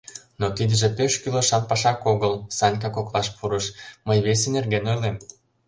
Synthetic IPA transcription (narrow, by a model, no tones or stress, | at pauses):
nokid̪əʒĕpøʃkyloʃɑnpɑʃɑkoɣəlsɑnʲk̬ɑkoklɑʃpuɾəʃməjβes̬enerɡenojlem